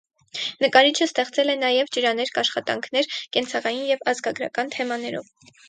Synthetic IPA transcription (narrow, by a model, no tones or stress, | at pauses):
nəkɑɾit͡ʃʰəst̪ɛχt͡sɛlɛnɑjɛvd͡ʒəɾɑnɛɾkɑʃχɑt̪ɑ̰ŋkʰn̪ɛɾkɛnt͡sʰɑʁɑjinjɛvɑzɡɑɡɾɑ̰kɑnt̪ʰɛmɑnɛɾɔ̰v